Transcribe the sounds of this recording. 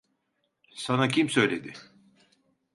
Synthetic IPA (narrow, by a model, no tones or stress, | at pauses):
sanacʰimsø̞jlʲed̪ɪ